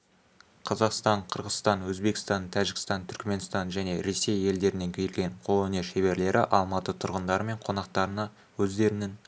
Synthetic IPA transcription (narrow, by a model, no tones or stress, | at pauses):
qʰɑzɑqst̪ɑɴqʰəɾʁəzst̪ɑnwɵzbe̞kʲɪ̥st̪ɑnt̪ʰæʒɪkɪ̥st̪ɑnt̪ʰʏɾkme̞nst̪ɑnʒæne̞ɾe̞se̞je̞ld̪e̞ɾɪne̞ŋkʲʰe̞jlɡʲe̞ɴqʰo̞lˠɵne̞ʃeβe̞ɾle̞ɾʔɪʔɑlˠmɑt̪ət̪ʰʊɾʁənd̪ɑɾəme̞ɴqʰo̞nɑq̚t̪ɑɾənɑ | wɵzd̪e̞ɾɪnɪn